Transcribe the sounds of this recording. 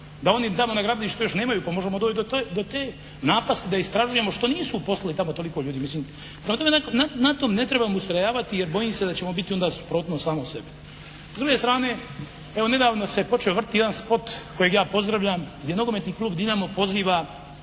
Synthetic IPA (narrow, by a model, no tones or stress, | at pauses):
d̪ao̞nit̪amo̞naɡɾaːd̪liʃt̪ojo̞ʃne̞ːmajuːpamo̞ʒemod̪oːt͡ʃd̪ot̪od̪ot̪eː | naːpast̪id̪aist̪ɾaʒujemo̞ʃt̪o̞niːsupo̞slˠalit̪amot̪o̞liko̞ʎuːd̪imisliːm | pɾemat̪omenanat̪omne̞t̪ɾe̞bamust̪ɾajaːʋat̪ijeɾbo̞jimsed̪at͡ɕe̞mo̞bit̪io̞nd̪aːsu̥pɾo̞ːt̪nosaːmosebe | zd̪ɾuɡest̪ɾaːne̞ː | eʋo̞ne̞d̪aːʋnosepo̞t͡ʃeoʋr̩t̪ijed̪anspo̞t̪ko̞jeɡjaːpo̞zd̪ɾaʋʎamɡd̪jeno̞ɡomet̪niːklˠuːbd̪imamo̞po̞ziːʋa